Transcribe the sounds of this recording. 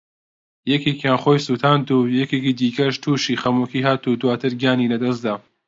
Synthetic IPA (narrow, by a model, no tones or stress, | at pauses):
jɛkekjaːnχoːjsuːt̪ʰaːnt̪uːjɛkekid̪iːkɐʃt̪ʰuːʃiːxɐmukiːɦaːt̪ud̪waːt̪ʰɨɾɡaːniːlɐd̪ɐs̬d̪aː